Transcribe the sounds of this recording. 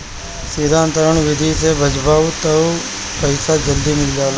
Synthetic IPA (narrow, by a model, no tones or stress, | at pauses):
siːd̪ʱaːənt̪əɾəɳʋɪd̪ʱisebʱəd͡ʒbaːut̪ə | pəɪsad͡ʒəld̪iːmɪld͡ʒaːl